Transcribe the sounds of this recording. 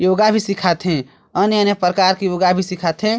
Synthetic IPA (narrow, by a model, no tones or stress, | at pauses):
joːɡabʱisikʰat̪ɦẽ | əneənepɾəkaːɾkijoːɡabʱisikʰat̪ɦẽ